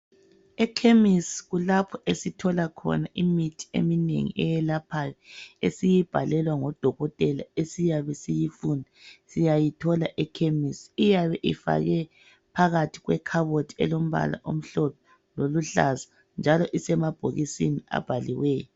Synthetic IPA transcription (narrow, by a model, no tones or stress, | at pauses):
ɛkʰemisɣulapʰɔesitʰɔlakʰɔ̰naʔimitʰi̥ḛminḛŋḭʔɛjɛlapʰajɔḛsijib̥ʱalɛlwaŋɔd̥ʱɔɣɔtʼɛla̰esijaβɛsijifuːndʱasijajitʰɔlaʔɛkʰemisijaβɛʔifa̰ɣɛ | pʰaɣatʰi̥ɣwɛkʰaβotʰi̥ɛ̰lom̩βa̰la̰ʔo̰m̩ɬɔtʰɔ | loluɬa̰za | nd͡ʒʱalɔʔisɛmab̥ʱoɣisinia̰b̥ʱaliwɛːjɔ